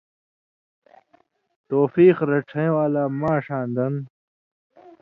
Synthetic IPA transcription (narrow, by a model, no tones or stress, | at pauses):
t̪oːfiːqɾɐʈʰɐj̃waːlaːmãːʂãːnd̪ɐn